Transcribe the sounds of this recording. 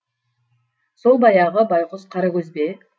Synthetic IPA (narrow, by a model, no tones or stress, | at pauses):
so̞lˠbɑjɑʁəbɑjqʊzqʰɑɾakʲɵzbe